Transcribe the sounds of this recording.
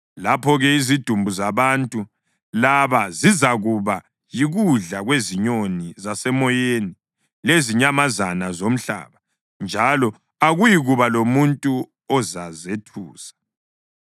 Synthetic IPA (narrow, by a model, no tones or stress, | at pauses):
lapʰɔɣɛizid̥ʱumbʱuzaβantʼu | laβazizaɣuβa | jiɣuɮaɣweziɲonizasɛmɔjeni | leziɲamazanazom̩ɬa̰ːβa | nd͡ʒʱalɔ | aɣujiɣuβalomuntʼu | ɔzazetʰuːsḁ